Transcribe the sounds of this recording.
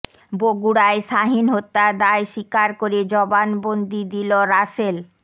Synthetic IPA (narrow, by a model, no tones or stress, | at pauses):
boɡuɽaeʃaɦinɦot̪ːad̪aeʃikaɾkoɾed͡ʑɔbanbond̪id̪iloɾaʃel